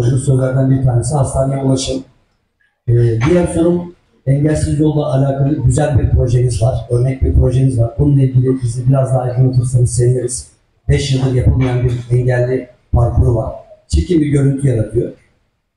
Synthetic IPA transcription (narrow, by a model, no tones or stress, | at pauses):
ʒunsojɡ̪aɾd̪anbiɾt̪ʰaːne̞s̬ihast̪anjaulˠaʃɯm | ɛːbijaɾsoɾum | ɛɲɟɛlʲsizjo̞lˠd̪ˠaːlʲaːkʰalˠɯɟyzælʲbiɾpɾo̞ʒemizvaɾ̥ø̞ɾnɛc̚biɾpɾo̞ʒemizvaɾbununˠailʲɟilʲibizɛbiɾazd̪aːjɡɯnot̪ʰusanɯsevijʲeɾiz̥ | bɛʃjɯlˠd̪ɯɾjapʰɯlˠmajanbiɾɛɲɟælʲːi | paɾkʰuɾuvaɾ̥t͡ʃʰe̞cʰimbiɾɟø̞ɾynt̪ʰyjaɾat̪ʰɯjo